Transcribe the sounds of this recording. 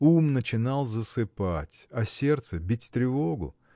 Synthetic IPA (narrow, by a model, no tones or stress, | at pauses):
umnət͡ɕɪnalˠzəsɨpatʲɐsʲe̞rt̪səbʲitʲt̪ɾʲɪvoɡʊ̰